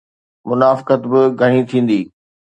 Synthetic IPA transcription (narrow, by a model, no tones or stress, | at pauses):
mʊnaːfkət̪bɪɡʱɐɽ̃it̪ʰĩːn̆d̪iː